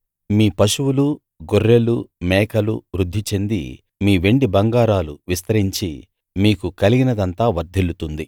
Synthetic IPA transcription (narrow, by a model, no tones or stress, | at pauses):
miːpɐʃuwulu | ɡoɾjelumɛːkɐlṵʋɾud̪ʱːit͡ʃe̞nd̪ḭ | miːʋe̞ɳɖibɐŋɡaːɾaːlṵʋist̪ɐɾɦiɲt͡ʃḭ | miːkukɐliɡinɐd̪ɐnt̪aːʋɐɾd̪ʱelut̪und̪i